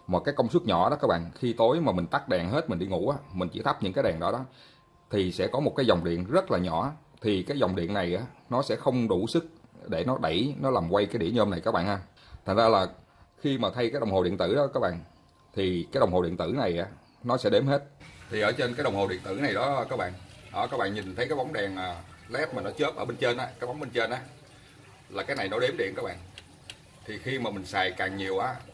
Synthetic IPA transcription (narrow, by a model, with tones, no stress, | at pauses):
maː˨˩kaː˨˦jkə˧wŋ͡msu˦˥t̚ɲɔ̰˧˩ɗɔ˨˦kaː˦˥k̚ɓa̰ː˧˨nxi˧t̪o˨˦jmaː˨˩mï˨˩ŋ̟t̪a˦˥k̚ɗa˨˩ŋɦe˦˥t̚mï˨˩ŋ̟ɗi˧ŋṵ˧˥ʔaː˨˦mï˨˩ŋ̟t͡ɕḭ˧˥˦t̪a˦˥p̚ɲɨ̰˧˥ŋkaː˨˦jɗaː˨˩ŋɗɔ˨˦ɗɔ˨˦ | t̪ʰi˨˩sɛ̰˧˥kɔ˨˦mo˨˩t̚kaː˨˦jzɔ˨˩wŋ͡mɗḭ˧˨ənzə˦˥t̚laː˨˩ɲɔ˧˩˥ | t̪ʰi˨˩kaː˨˦jzɔ˨˩wŋ͡mɗḭ˧˨ənːa˨˩jʔaː˨˦nɔ˨˦sɛ̰˧˥xə˧wŋ͡mɗu˧˩sɨ˦˥k̚ɗe˧˩nɔ˨˦ɗə˧˩jnɔ˨˦laː˨˩mkwa˧jkaː˨˦jɗḭ˧˩əɲəː˧mna˨˩jkaː˦˥k̚ɓa̰ː˧˨haː˧ | t̪ʰŋzaː˧laː˨˩ | xi˧maː˨˩t̪ʰa˧jkaː˨˦jɗə˨˩wŋ͡mho˨˩ɗḭ˧˨ənt̪ɨ̰˧˩ɗɔ˨˦kaː˦˥k̚ɓa̰ː˧˨n | t̪ʰi˨˩kaː˨˦jɗə˨˩wŋ͡mho˨˩ɗḭ˧˨nt̪ɨ̰˧˩na˨˩jʔaː˨˦ | nɔ˨˦sɛ̰˧˥ɗe˨˦mhe˦˥t̚t̪ʰi˨˩ʔəː˧˩t͡ɕe˧nkaː˨˦jɗə˨˩wŋ͡mho˨˩ɗḭ˧˨ənt̪ɨ̰˧˩na˨˩jɗɔ˨˦˨kaː˦˥k̚ɓa̰ː˧˨nʔəː˨˩kaː˦˥k̚ɓa̰ː˧˨nɲi˨˩nt̪ʰə˦jkaː˦jɓa˨˦wŋ͡mɗaː˨˩ŋʔaː˨˩lɛ˦˥p̚maː˨˩nɔ˨˦t͡ɕə˦˥p̚ʔəː˧˩ɓe˧nt͡ɕe˧nʔaː˨˦kaː˦˥jɓa˨˦ŋ͡mɓe˧nt͡ɕe˧nʔaː˨˦ | laː˨˩kaː˨˦jna˨˩jnɔ˨˦ɗe˨˦mɗḭ˧˨ənkaː˦˥k̚ɓa̰ː˧˨n | t̪ʰi˨˩xi˧maː˨˩mï˨˩ŋ̟saː˨˩jkaː˨˩ŋɲi˨˩əwʔaː˨˦